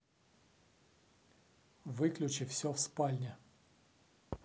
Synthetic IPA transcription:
vɨklʲʉʊt͡ɕɪfsʲofspalʲnʲɪ

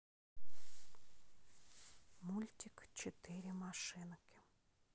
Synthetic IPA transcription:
mulʲtʲikt͡ʃet̪ɪɾʲimaʃɪnkɪ̥

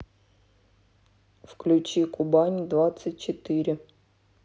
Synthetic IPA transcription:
fklʲʉt͡ɕikʊbanʲd̪vat̪sət̚ʲt͡ɕɪt̪ɨɾʲɪ

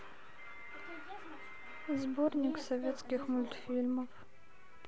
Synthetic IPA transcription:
zbornʲikʷsovʲeːt̪skʲixmʊlt̪ʰfilmɐf

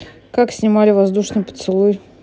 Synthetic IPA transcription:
kaksʲnʲɪmalʲɪvɐzd̪uʂnɨjpə̥t̪sɨlˠuj

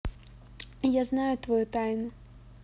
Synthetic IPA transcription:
jaznajʊt̪vɔjut̪ajnʊ

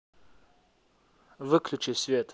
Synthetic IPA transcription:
vɨklʲut͡ʃisʲvʲet̪

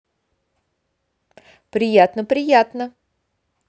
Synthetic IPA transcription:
pɾʲɪjat̪nəpɾʲɪjat̪nə

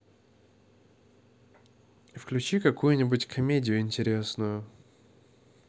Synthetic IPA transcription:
fklʲʉt͡ɕikɐkujʊnʲɪbʊtʲkʰɐmʲedʲɪjʊɪnʲtʲɪɾʲesnʊjʊ

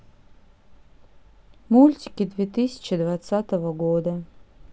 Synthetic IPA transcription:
mulʲtʲɪ̥kʲɪd̪vʲet̪ɨsʲɪ̥t͡ɕɪd̪vat̪sat̪əvəɡod̪ə

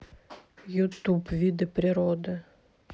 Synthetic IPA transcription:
jʊt̪upvʲid̪ɨpɾʲɪɾod̪ɨ

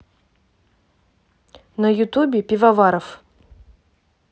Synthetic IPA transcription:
nɐjʊt̪ubʲɪpʲivɐvaɾɐf

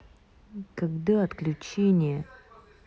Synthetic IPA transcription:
kɐɡd̪aɐt̪klʲʉt͡ɕenʲɪjə

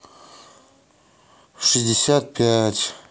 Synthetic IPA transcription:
ʂɨzʲdʲɪsʲat̪̚pʲatʲ

